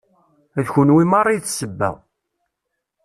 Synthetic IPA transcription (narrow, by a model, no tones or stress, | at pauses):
æðçʊnwimɑrˤːiθsəbːæ̰ʁ